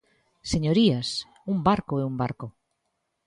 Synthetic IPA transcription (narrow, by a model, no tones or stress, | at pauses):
seɲoɾias | umbaɾkoɛumbaɾko